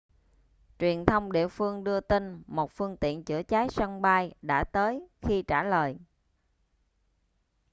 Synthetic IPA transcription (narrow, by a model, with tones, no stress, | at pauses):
t͡ɕwi˨˩ənt̪ʰə˧wŋ͡mɗḭ˧˨əfɨ˧əŋɗɨ˧ət̪i˧nmo˨˩t̚fɨ˧əŋt̪ḭ˧˨ənt͡ɕɨ̰˧˩ət͡ɕaː˨˦jsa˧ŋɓaː˧jɗa̰ː˧˥t̪əː˨˦jxi˧t͡ɕaː˧˩ləː˨˩j